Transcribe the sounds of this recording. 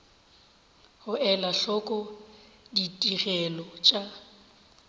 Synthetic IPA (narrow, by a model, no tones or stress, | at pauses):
hʊɛlaɬɔkʼɔ | ditʼirɛlɔt͡ʃʼa